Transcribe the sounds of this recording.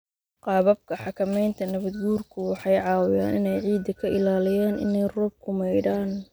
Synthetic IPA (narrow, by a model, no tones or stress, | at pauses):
qɑːβɐb̚kʰɐħɑkʰɐmɛjnt̪ʰɐnɐβɐd̪ɡuːrkʰʊwɑħɑjʕɑːwɪja̰ːnɪnɛjʕiːd̪ɐkʰɐʔɪlaːlɪjaːnʔɪ̰nɛjrɔːb̚kʰʊmɛjɽaːn